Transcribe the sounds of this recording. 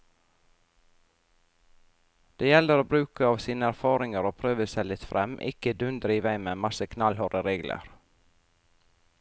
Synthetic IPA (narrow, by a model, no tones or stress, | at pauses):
d̪̥eːjɛləɾoːbɾʉːkəɑːʋsiːnəæɾfɑːɾɪŋəɾoːpʰɾøːʋəsɛlɪt̪fɾʔɛmʔɪ̰kəd̪ʉnd̪ɾiːʋæɪmemɑsəkʰnɑlhœːɾəɾeːɡlʔə̰ɾ